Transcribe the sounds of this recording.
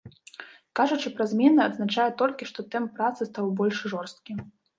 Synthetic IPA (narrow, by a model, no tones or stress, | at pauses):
kaʐut͡ʂɨpɾazʲmʲɛnɐɐːd̪znat͡ʂajɛt̪ɔlʲkʲiʂt̪ɔt̪ɛmppːɾat̪sɨst̪awbɔlʲʂʐɔrst̪̚kʲi